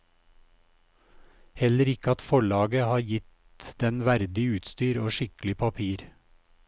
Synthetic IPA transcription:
hɛləɾɪkəɑt̪fɔɭɑːɡəhɑːɾjɪt̪ | d̪̥ɛnʋæɾd̪ɪʉːt̪st̪yːɾoːʃɪkl̩ɪpʰɑpʰiːɾ

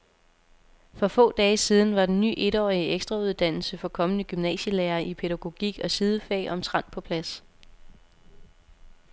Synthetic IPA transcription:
fɒ̽fɔ̰̽ːd̥ɛːsiːð̞ˠn̩ʋɑ̈d̥enːy̰ːʔe̝ɾ̥ɒ̰ːiəeɡ̥sd̥ʁɑ̈uð̞ˠd̥æn̰l̩səfɒ̽kʰɒ̽mənəɡ̥ymnɛ̰ːɕəleːɐʔipʰe̝ɾæɡ̥o̝ɡ̥ḭɡ̥ɒ̽sið̞ˠəfɛ̰ːʔɒ̽mt͡sʰʁɑ̈n̰pʰɒ̽pʰlæs

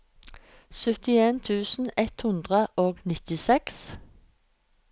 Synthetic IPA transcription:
sœt̪ɪeːnt̪ʰʉːsn̩ɛt̪hʉnd̪ʁəʔoːɡnɪt̪ɪsɛks

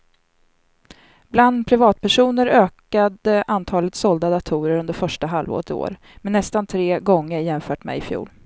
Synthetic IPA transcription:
bland̪pʰɾɪvɑːt̪̚pʰæʂuːnəɾøːkad̪əʔant̪ʰɑːlət̪sɔld̪ad̪at̪ʰuːɾəɾɵnd̪əɾfœʂʈaɦalvo̰ːɾət̪ɪo̰ːɾ | mɛnːɛst̪ant̪ʰɾeːɡɔŋːəɾjɛmfœːʈmɛ̰ɪfjṵːl

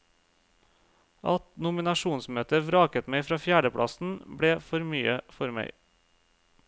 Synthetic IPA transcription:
ɑt̪nʊmɪnɑʃuːnsmøːt̪əʋɾɑːkət̪mæɪfɾɑːfjæːɖəpʰɽʔɑ̰sn̩bɽeːfɔɾmyːəfɔɾmæ̰ɪ

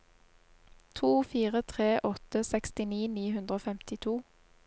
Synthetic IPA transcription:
t̪ʰuːfiːʁət̪ʰʁeːʔɔt̪əsɛkst̪ɪniːniːhʉnd̪ʁəoːfɛmt̪ɪt̪ʰuː

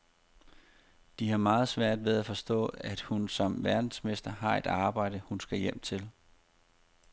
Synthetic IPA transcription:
d̥ihɑ̈mɑ̈ːð̞̩ˠsʋæɐ̰d̥ʋeð̞ˠæfɒ̽sd̥ɔ̰̽ːæd̥hunsɒ̽mʋæɐd̥n̩sme̝sd̥ɐɦɑ̈e̝d̥ɑ̈ːb̥ɑ̈ɪ̰d̥əhunsɡ̥æjem̰t͡sʰe̝l

